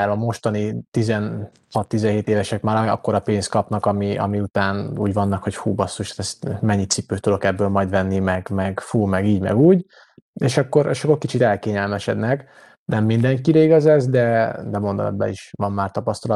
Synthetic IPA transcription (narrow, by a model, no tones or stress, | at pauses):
ɛɾɒmo̞ʃt̪ɒnit̪izɛn | hɒt̪ːizɛnɦeːt̪eːvɛʃɛkmaːɾɒ̰kːo̞ɾɒpeːnst̪̚kɒpnɒkɒmiɒ̰miut̪aːnṵːɟvɒnːɒkho̞chuːbɒsːuʃḁt̪ɛst̪mɛɲːit̪sipːøːt̪ud̪o̞kɛbːøːlmɒjd̪vɛnːimɛɡmɛɡfuːmɛɡiːɟmɛ̰ɡuːɟ | eːʃɒkːo̞ɾḛʃɒkːorkit͡ʃit̪ɛlkeːɲɛlmɛʃɛd̪nɛk | nɛmːind̪ɛŋkiɾɛiɡɒzɛzd̪ɛd̪ɛmo̞nd̪o̰bɛ̰iʃʋɒmːaːrt̪ɒpɒst̪ɒl